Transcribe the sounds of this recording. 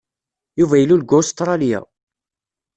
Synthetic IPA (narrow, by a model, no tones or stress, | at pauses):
juvæjəlːulɡʊst̪ɾˤɑljæ̰